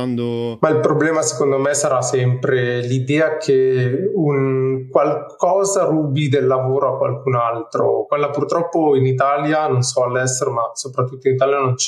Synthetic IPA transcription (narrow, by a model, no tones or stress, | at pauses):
nd̪mailpɾoblɛːmase̥kond̪omesaɾasɛmpɾelid̪ɛːakʰeunkwalkɔːzaruːbid̪elːavoːɾoakːwa̰lkunalt̪ɾo̰kwelːapurt̪ɾɔpːoinit̪aːljanonsɔalːɛst̪eɾomasopɾat̪ːut̪ːoinit̪aːljanont͡ʃ